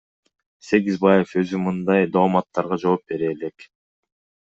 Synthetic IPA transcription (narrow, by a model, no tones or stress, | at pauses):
se̞ɡizbɑje̞fø̞zymɯnd̪ɑjd̪oumɑt̪ːɑɾʁɑd͡ʒo̞ːp̚be̞ɾe̞ːle̞k